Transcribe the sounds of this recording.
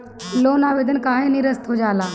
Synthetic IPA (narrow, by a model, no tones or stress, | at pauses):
loːnaːʋeːd̪ənkaːɦẽniɾəst̪ɦoːd͡ʒaːlaː